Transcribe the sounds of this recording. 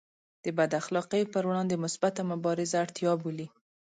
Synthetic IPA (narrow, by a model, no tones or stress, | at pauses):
d̪̥əbad̪axlɑqəjpəɾɽɑnd̪əmʊsbat̪amʊbɑɾɪzaːɽt̪ijɑbuli